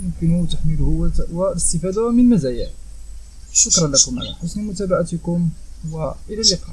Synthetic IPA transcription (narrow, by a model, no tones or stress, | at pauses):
mʊmkənut̪əħməlhʊwæwæəst̪əfæd̪awmənmæzæjəʕ | ʃʊkɾˤɑnlækʊmʕa̰næ̰ħʊsˤːməmʊt̪æbaʕat̪əkʊmwæʔəlælːəqɑ